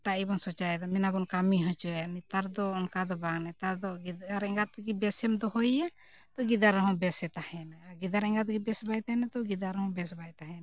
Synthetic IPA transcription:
ʈaibɔnsɔt͡ʃajɛd̪ɔmɛnabɔnkamiɦɔ̃t͡ʃɔɛnɛt̪aɾd̪ɔːnkad̪ɔbaŋnɛt̪aɾd̪ɔɡiaɾɛ̃ŋɡat̪ɡibɛsɛmd̪ɔɦɔja | t̪ɔɡid̪aɾɔɦɔ̃bɛsɛt̪ahɛnaaɾɡid̪aɾɛŋɡat̪ɡibɛsbajt̪aɛnat̪ɔɡid̪aɾɔɦɔ̃bɛsbajt̪aɦɛn

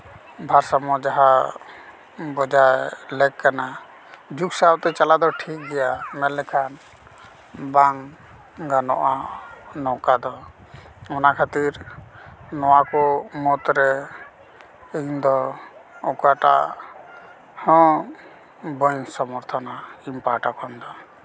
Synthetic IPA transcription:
bʱaɾsamɔd͡ʒaɦa | bɔd͡ʒajlɛkkana | d͡ʒuksawt̪ɛt͡ʃalad̪ɔʈʰik̚ɡɛjamɛlːɛkʰan | baŋ | ɡanɔ̰ʔanɔkad̪ɔ | ɔnakʰat̪iɾ | nɔwakɔmɔt̪ɾɛ | end̪ɔɔkaʈa̰ʔ | hɔ̃ | bɔɲsɔmɔɾt̪ʰɔnaimpaʈakɔnd̪ɔ

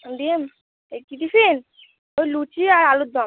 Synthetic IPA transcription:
dim | ekit̪ifin | ojlut͡ʃiaɾalud̪ɔm

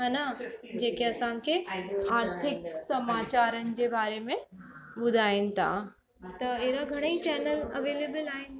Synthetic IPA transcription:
ɦanad͡ʑeːkeɐsaːmkeaːɾt̪ʰɪk̚sɐmaːt͡ɕaːɾənɪ̆d͡ʑebaːɾemẽbʊd̪ʱaːen̆t̪ʰa̰ː | t̪ɐeːɾaɡʱɐɽ̃əit͡ɕɛːnəlɐʋeːleːbəlaːɦen

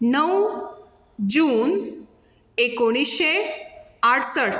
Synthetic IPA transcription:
nəw | d͡ʑuːn | ekoɽ̃iɕe | aʈʰsəʈ

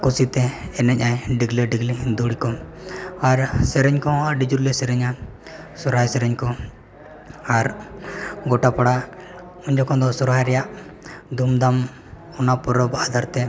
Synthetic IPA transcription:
kusit̪ɛɛnɛc̚ajɖiɡlɛɖiɡlid̪uɽikɔ | aɾsɛɾɛɲkɔ̃aɾɖid͡ʒuɾlɛsɛɾɛɲa | sɔɾɦajsɛɾɛɲkɔ | aɾ | ɡɔʈapaɽa | uɲd͡ʒɔkʰɔ̃d̪ɔsɔɾɦajɾɛjaʔd̪umd̪am | ɔnapɔɾɔbad̪ʱaɾt̪ɛ

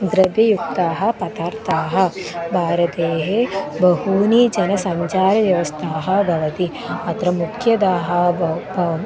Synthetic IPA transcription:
d̪ɾɐʋjɐjukt̪aːɦɐ̆pɐt̪aːɾt̪ʰaːɦɐ̆bʱaːɾɐt̪eːɦebɐɦuːnid͡ʒɐnɐsɐɲt͡ʃaːɾɐʋjɐʋɐst̪ʰaːɦɐ̆bʱɐʋɐt̪i | ɐt̪ɾɐmukʰjɐd̪aːɦɐbʱɐ

